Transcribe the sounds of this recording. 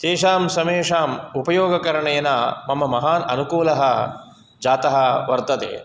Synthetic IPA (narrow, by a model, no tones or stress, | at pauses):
t̪eːʂaːmsɐmeːʂaːmupɐjoːɡɐkɐɾɐɳɐjɐnaːmɐmːɐmɐɦaːnɐnukuːlɐɦɐ | d͡ʒaːt̪ɐɦɐʋɐɾt̪ɐt̪ḛː